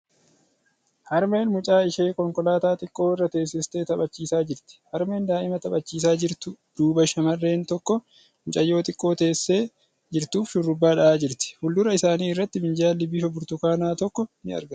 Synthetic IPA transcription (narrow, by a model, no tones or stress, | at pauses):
hɐɾme̞ːnmʊt͡ʃʼaːɪʃeːkɔŋkɔlaːt̪aːt̪ʼɪkʼːo̞ːɪrːɐt̪e̞ːs̬ːɪst̪e̞ːt̪ɐbɐt͡ʃːiːsaːd͡ʒɪɾt̪ɪ̥hɐɾme̞ːnd̪aːʔɪmɐt̪ɐbɐt͡ʃːiːs̬aːd͡ʒɪɾt̪ʊd̪̥uːbɐʃɐmɐrːe̞ːnt̪ɔkːɔ | mʊt͡ʃʼɐjːo̞ːt̪ʼɪkʼːo̞ːt̪e̞ːsːeː | d͡ʒɪɾt̪uːfʃʊrːʊbːaːᶑɐʔaːd͡ʒɪɾt̪ɪ̥hʊld̪ʊɾɐɪsaːniːɪrːɐt̪ːɪmɪnd͡ʒaːlɪbɪːfɐbʊɾt̪ʊkaːnaːt̪ɔkːɔnɪɐ̰ɾɡɐ